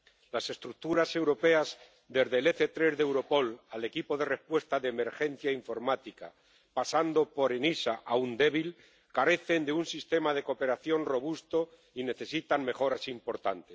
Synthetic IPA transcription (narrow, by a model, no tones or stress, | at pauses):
lase̞st̪ɾuk̚t̪uɾase̞wɾo̞pe̞az | d̪e̞zðele̞θe̞t̪ɾe̞zðewɾo̞po̞lale̞kipo̞ðe̞re̞spwe̞st̪aðeːme̞ɾxe̞n̟θjaiɱfo̞ɾmat̪ika̰ | pasand̪o̞po̞ɾenisaʔaund̪e̞β̞il | kaɾe̞θe̞nd̪eunsist̪e̞mað̞e̞ko̞pe̞ɾaθjo̞nro̞βust̪o̞ | ine̞θe̞sit̪aŋme̞xo̞ɾasimpo̞ɾt̪a̰nt̪e̞̥s